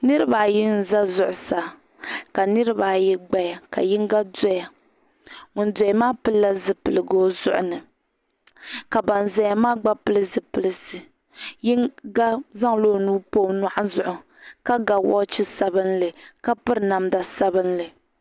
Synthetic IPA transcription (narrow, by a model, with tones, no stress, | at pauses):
nɨ˦ɾɨ˦ba˨jɪ˦n̩˨za˦zʊ˨ʔʊ˨sa˨ | ka˨nɨ˦ɾɨ˦ba˨ji˦ɡ͡ba˦ja˨ka̰˨jɪ˦ŋ˦ɡa˦dɔ˦ja˨ | ŋʊ˨n˦dɔ˨maː˦pɨ˦lla˦zɨ˨pɨ˨lɨ˨ɡoː˦zʊ˦ʔʊ˨nɨ˨ | ka˨ba˨n˨za˨ja˨maː˦ɡ͡ba˦pɨ˦lɨ˦zɨ˨pɨ˨lɨ˨sɨ˨ | jɪ˦ŋɡa˦za˦ŋloː˦˨nuː˦poː˦˨na˨ʔa˦zʊ˨ʔʊ˨ | ka˦ɡa˨wɔ̰˦t͡ʃɪ˦sa˦bɨ˦n˦lɨ˨ka˦pɨ˦ɾɨ˨˦na˨mda˨sa˦bɨ˦n˦lɨ˨